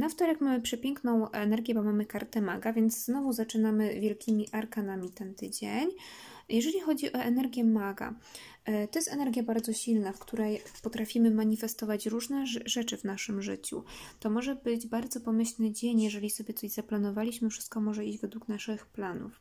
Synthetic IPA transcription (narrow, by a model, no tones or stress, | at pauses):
naft̪ɔɾɛkmamɘpʂɛpʲjɛŋknɔ̃w̃ɛnɛɾɡʲjɛbɔmamɘkaɾt̪ɛmaɡavʲjɛnd̪zznɔvuzat͡ʂɘnamɘvʲjɛlkʲʰimʲiʔaɾkanamʲit̪ɛnt̪ɘd͡ʑeɲjɛʐɛlʲixɔd͡ʑiʔɔɛnɛɾɡʲjɛmaɡa̰ | t̪ɔjɛst̪ɛnɛɾɡʲjabaɾd̪zɔɕilnafkt̪uɾɛjpɔt̪ɾafʲimɘmaɲifɛst̪ɔvat͡ɕɾuʐnɛʐɛt͡ʂɘvnaʂɘmʐɘt͡ɕṵt̪ɔmɔʐɛbɘd͡ʑbaɾd̪zɔpɔmɘɕlnɘd͡ʑeɲjɛʐɛlʲisɔbʲjɛt̪sɔʑzaplanɔvalʲiɕmɘfʂɘ̥st̪̚kɔmɔʐɛid͡ʑvɛd̪wuknaʂɘxplanṵf